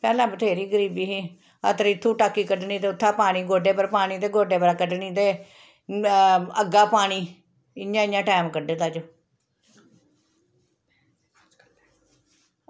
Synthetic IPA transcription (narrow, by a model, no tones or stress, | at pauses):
pɛːlãːbət̪ʰeːɾiːɡəɾiːbiːɦiː | ə̰t̪əɾɪt̪ʰːũːʈaːkːiːkəɖnĩːt̪eːʊt̪ʰːãːpaːɽ̃iːɡoːɖeːpəɾpaːɽ̃iːt̪̬eːɡoːɖeːpəɾaːkəɖniːt̪eː | əɡaːpaːɽ̃iː | ɪɲãːɪjãːʈaːmkəɖeːt̪aːt͡ʃo